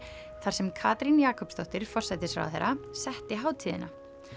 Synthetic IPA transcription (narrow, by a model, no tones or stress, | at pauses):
θaɾ̥sɛmkʰaːt̪ɾinjaːkʰɔpst̪ɔht̪ɪɾ̥fɔr̥sɛt̪ɪsvɾa̰w̰a̰θḛjɾasɛht̪ɪɦaːwt̪ʰiːðɪ̰na